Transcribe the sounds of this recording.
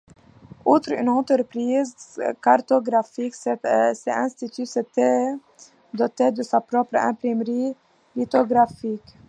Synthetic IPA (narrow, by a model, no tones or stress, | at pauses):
ut̪ɾy̰nɑ̃t̪əɾpɾiːzkaɾt̪ɔɡɾafiksɛt̪sɛɛ̃nst̪it̪ysɛt̪e | d̪ɔt̪ed̪əsapɾɔpɾə̰ɛ̃pɾimɾiː | lit̪ɔɡɾafik